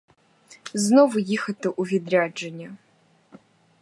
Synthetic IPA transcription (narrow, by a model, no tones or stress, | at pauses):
znovʊjixɐt̪ɨʔuvʲid̪rʲad͡ʒɐnʲɐ